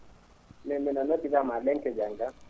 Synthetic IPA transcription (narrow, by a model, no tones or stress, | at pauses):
nɛmɛnanakiβamalɛŋkɛd͡ʒaŋɡa